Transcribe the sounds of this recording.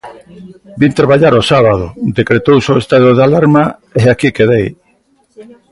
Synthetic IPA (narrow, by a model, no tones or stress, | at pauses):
bint̪ɾaβ̞aʎaɾosaβað̞od̪ekɾet̪owsoest̪aðoðalaɾmaeakikeðej